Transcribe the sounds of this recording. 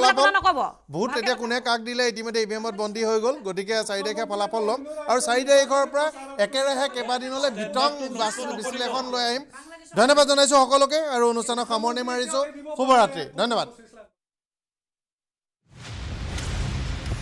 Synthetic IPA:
lapʰɔbɔ | bʱutːetiakunɛkak̚dilɛit̬imɔjdɛibɛmɔt̚bɔndʱiɦojɡolɡot̬ikɛsaɹidaikʰɛpʰɔlapʰɔlːɔmaɹusaɹidaikʰɔɹpɔɹa | ɛkɛɹaɦɛkɛbadinɔlɛbʱitɔŋbasbisilɛxɔnlojaɦimdʱɔjnːɔbadzɔnajs̬ʊ̃xɔkɔlʊk̬ɛaɹuonustʰanɔkxamɔɹnɛmaɹisʊ̃xubɔɹatɹedʱɔjnːɔbad̚

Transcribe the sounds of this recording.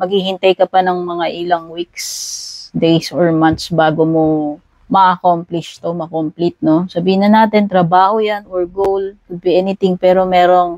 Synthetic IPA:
mɐɡhihɪnt̪ɐjkɐpɐnɐŋmɐŋaʔɪlɐŋwiksd̪ejsoɹmant̪̚sbaːɡomo | mɐʔɐkomplɪʃt̪o̞mɐkomplit̪̚no̞sɐbiːhɪnɐnaːt̪ɪnt̪ɾɐbaːhojanoɹɡowlkʊd̪̚pɪʔɛːnɪt̪ɪŋpɛːɾo̞mɛːɾo̞ŋ

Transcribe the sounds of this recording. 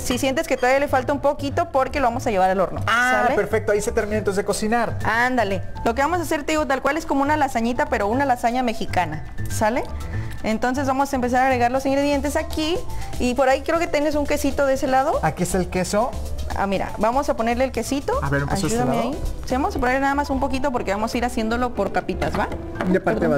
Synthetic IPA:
sisje̞nt̪̬e̞sket̪oaβijalefalt̪aumpo̞kit̪o̞po̞ɾkeloβamosaʝe̞β̞aɾalo̞ɾno̞̰asallepeɾfek̚t̪oaiset̪eɾmĩnant̪osekosinaɾand̪ale̞lo̞k̬eβamo̞sase̞ɾt̪eiɣot̪alkwale̞sko̞mounalasaɲit̪ape̞ɾo̞unalasaɲame̞xikana | sale̞ | ent̪o̞ns̬e̞zβamo̞saempe̞s̬aɾaɣɾe̞ɣaɾlo̞sĩŋɡɾe̞ðje̞nt̪̬e̞sakiːpo̞ɾaikɾeoke̞t̪enes̬uŋke̞sit̪o̞ðeese̞lað̞o̞akieselkesoa̰miɾa̰bamo̞sapo̞ne̞ɾleːlke̞sit̪o̞a̰βeɾea̰juðammeaaisiβaosap̬one̞ɾlenaðamasumpo̞kit̪̬o̞p̬oɾke̞βamo̞saiɾasje̞nd̪o̞lo̞po̞ɾkapit̪azβa | apaɾe

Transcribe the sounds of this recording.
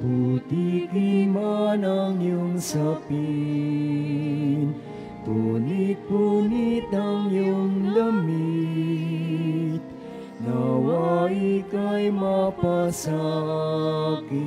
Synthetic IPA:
put̪ikimanaŋjuŋsapi | n | t̪onipunit̪aŋjuŋd̪əmi | t̪ | nawaikajmapasa | ki

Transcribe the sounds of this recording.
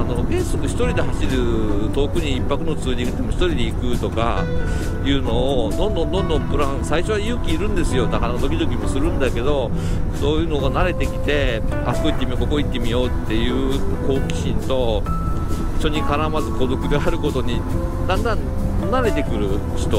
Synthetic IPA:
ano̞ɡẽ̞ɰ̃sokɯ̟çʲi̥t̪o̞ɾʲid̪e̞ɦaɕiɾɯ̟t̪o̞ːkɯ̟ɲ̟iːpːakɯ̟no̞t͡sɨːɲʲĩŋɡɯt̪ːemoçi̥t̪o̞ɾʲid̪e̞ikɯ̟t̪o̞ka̰ | jɯ̟ːno̞ːd̪õ̞nd̪õnd̪õ̞nd̪õ̞mpɯ̟ɾãɰ̃saiɕo̞βajɯːkʲiːɾɯ̟̃nd̪e̞sɨjo̞d̪aanod̪o̞kʲid̪o̞kʲimo̞sɨɾɯ̟̃nd̪ake̞d̪o̞ | so̞ːjɯ̟ːno̞ɡanaɾe̞t̪e̞kʲi̥t̪e̞ | a̰̥koit̪ːe̞mʲiokokoit̪ːe̞mʲijo̞ːt̪ːe̞jɯ̟ːko̞ːkʲi̥ɕĩnt̪o̞ | i̥ɕo̞ɲ̟ikaɾamazɨko̞d̪o̞kɯ̟d̪e̞aɾɯ̟ko̞t̪o̞ɲ̟i | d̪ãnd̪ãn | nːaɾe̞t̪e̞kɯ̟ɾɯ̟ | çi̥t̪o

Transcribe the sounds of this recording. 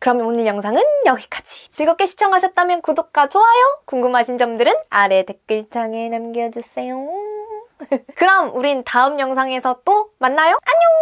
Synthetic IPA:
kɯɾʌmonɯɭjʌŋsʰaŋɯnjʌɡik͈ḁd͡ʑi̥t͡ɕiɭɡʌk͈e̞ɕʰi̥t͡ɕʰʌŋɦaɕʰʌt̚t͈amjʌnkodok̚k͈at͡ɕʰoɦajokuŋɡɯmɦaɕʰind͡ʑʌmdɯɾɯnaɾe̞te̞k̚k͈ɯɭt͡ɕʰaŋe̞namɡjʌd͡ʑus͈ejo | kɯɾʌmuɾintaɯmjʌŋsʰaŋe̞sʰʌt͈omanːajoaɲo

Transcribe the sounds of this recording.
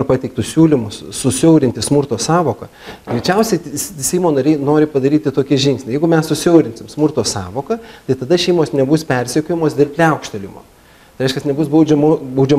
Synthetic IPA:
rpɑːt̪ʲɛɪk̚t̪ʊssʲuːlʲɪmʊssʊsʲɛʊɾʲɪnt̪ʲɪsmʊrt̪oːsɑːʋoːkɐ | ɡ̥ɾʲɛt͡ʃʲɛʊsʲɛɪsʲɛɪmoːnɐɾʲɛɪnoːɾʲɪpɐd̪ɐɾʲiːt̪ʲɪt̪oːkʲɪʒʲɪŋksʲnʲɪjɛɪɡʊmʲɛssʊsʲɛʊɾʲɪnʲsʲɪmsmʊrt̪oːsɑːʋoːkɐt̪ɐɪt̪ɐd̪ɐʃʲɛɪmoːsnʲɛbʊspʲɛɾʲsʲɛkʲoːjɪmoːsd̪ʲɪrpʲlʲɛʊkʃʲt̪ʲɛlʲɪmo̰ː | t̪ɐɪɐɪʃkɐsnʲɛbʊsbɐʊd͡ʒʲɛmobɐʊd͡ʒʲɛ

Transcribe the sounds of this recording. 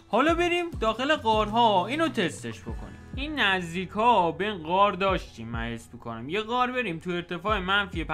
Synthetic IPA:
hɒːlɒːbe̞ɾimd̪ɒːxe̞leɣɒːɾɦɒiːnot̪ʰe̞st̪e̞ʃbo̞̰kʰo̰nḭmiːnːæzd̪iːkʰhɒːbeinɡɒːɾd̪ɒːʃt̪iːmːæ̰hesmikʰo̞næmjeɣɒːɾbe̞ɾiːmt̪ʰue̞ɾt̪ʰe̞fɒːemænfiep

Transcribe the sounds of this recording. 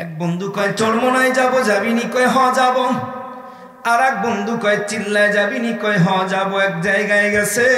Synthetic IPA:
ɛk̚bond̪ukɔjt͡ʃɔɾmɔnajd͡ʒabɔd͡ʒabinikɔjɦɔ̃d͡ʒabɔ | aɾɛk̚bond̪ʱukɔjt͡ʃilːajd͡ʒabinikɔjɦɔ̃d͡ʒabɔɛk̚d͡ʒajɡajɡɛsʰe

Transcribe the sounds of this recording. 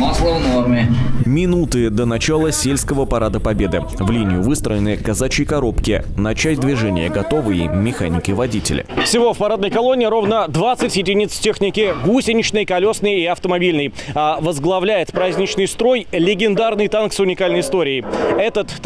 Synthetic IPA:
maslˠəvnormʲɪmʲɪnut̪ɨd̪ənɐt͡ɕalˠəsʲelʲskəvəpɐɾad̪əpɐbʲe̞d̪ɨ | vlʲinʲɪjʊvɨst̪ɾəjɪnɨjəkɐzat͡ɕɪjkɐɾo̞pkʲɪ | nɐt͡ɕæs̚ʲd̪vʲɪʐɛnʲɪ̰jəɡɐt̪o̞vɨjḭmʲɪxanʲɪkʲɪvɐdʲitʲɪ̰lʲɪ̰fsʲɪvo̞fpɐɾad̪nəjkɐlˠonʲɪːɾo̞vnəd̪vat̪sːɨtʲjɪdʲɪnʲit̪stʲexnʲɪkʲɪɡusʲɪnʲɪt͡ɕnɨjkɐlʲo̞snɨjiɐft̪əmɐbʲilʲnɨjavəzɡlˠɐvlʲæjɪt̪pɾazʲnʲɪt͡ɕnɨjst̪ɾo̞jlʲɪɡʲɪnd̪arnɨjt̪anksʊnʲɪkalʲnəjɪst̪o̞ɾʲɪːɪɛt̪ət̪

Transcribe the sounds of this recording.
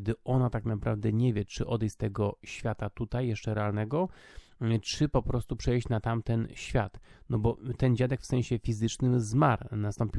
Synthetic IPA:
d̪ɘɔnat̪aknapɾavd̪ɛɲɛvʲjɛt͡ʂɘʔɔd̪ɛjst̪ːɛɡɔɕfʲjat̪at̪ut̪ajːɛʂt͡ʂɛɾɛalnɛɡɔ | t͡ʂɘpɔpɾɔst̪upʂɛjɕt͡ɕnat̪amt̪ɛnɕfʲjat̪nɔbɔt̪ɛnd͡ʑad̪ɛkfsɛ̃ɕɛfʲizɘt͡ʂnɘmzmaɾnast̪ɔmpʲi

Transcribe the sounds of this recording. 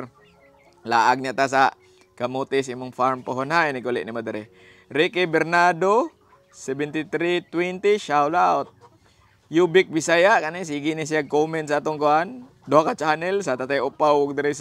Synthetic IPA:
la̰ʔaɡ̚ɲaʔt̪as̬a | kamut̪ɪs̬aimʊŋfaɾmpoɦonhaɛnɪkulɪ̰ʔnimod̪ɪɾɛ | ɾikebɛɾnado | sɛbɛnt̪it̪ɾit̪wɛnt̪iʃawlaot̪̚ | jubɪk̚bisajaʔkanis̬iɡinis̬iaɡ̚komɛnsaat̪oŋkoʔan | d̪oakat͡ʃanɛlsat̪at̪aʔʊpawʊɡ̚d̪ɪɾɛs

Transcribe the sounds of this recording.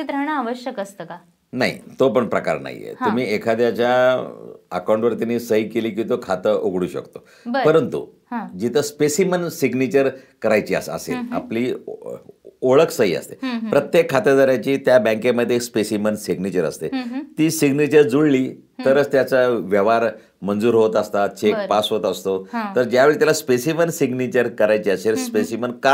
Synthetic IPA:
it̪ɾaɳ̃aaʋəɕjəkəst̪əka | naɦḭt̪opəɳpɾəka̰ɾna̰j̰jḛtɦ̪um̤iːekʰad̪jat͡ɕja | ə̰kawũɳʈʋəɾt̪aniːsəɦiːkeliːkĩt̪okʰat̪əʔoɡɽuːɕə̰kt̪o | bəpəɾənt̪ṵɦãd͡ʑit̪ʰəspesimənsiɡnit͡ɕəɾkəɾajt͡ɕiːa̰ə̰sḛla̰pliː | oɭəkʰsəɦḭːə̰st̪epɾət̪jekʰːat̪əd̪əɾjat͡ɕiːt̪jabɛ̃ŋkeməd̪ʱːeːkspesimənsiɡnit͡ɕəɾə̰st̪et̪iːsiɡnit͡ɕəɾd͡zuɽliː | t̪əɾət͡st̪jat͡səʋjəʋaɾ | mənd͡zuːɾɦot̪əst̪at͡ɕekpasɦot̪əst̪ot̪əɾd͡ʑjaʋeɭit̪jalaspesimənsiɡnit͡ɕəɾkəɾajt͡ɕiːaselspesimənka

